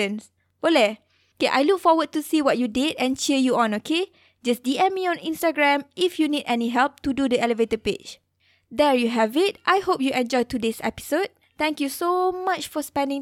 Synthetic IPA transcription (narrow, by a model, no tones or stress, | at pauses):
ə̃ns | olɛ | okeʔa̰jluk̚fɔwəd̚tːusiwɔt̚judidɛ̃nt͡ʃɛəjuɔ̃nokʰe | d͡ʒasdiɛ̃miɔ̃nĩnstaɡɹɛ̃mʔifjunidɛniɦɛlp̚tududəɛləvetəped͡ʒ | dɛɹjuɦɛvit̚ʔajhop̚juʔɛ̃nd͡ʒɔjtudesɛ̰pi̥sod̚ | t̪ɛ̃ŋkjusomat͡ʃfɔspɛ̃ndɪ̃ŋ